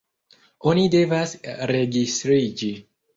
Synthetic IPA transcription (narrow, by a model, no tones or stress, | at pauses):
o̞nide̞vasɾe̞ɡistɾid͡ʒi